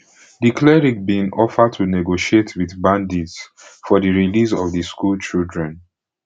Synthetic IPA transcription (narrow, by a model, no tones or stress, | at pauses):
dikʰlɛɹik̚bĩŋʔɔfəd̚tʰunɛɡoʃietʰwiðbãndits | fɔðiɹilis̬ɔvðiskult͡ʃildɹɛ̃n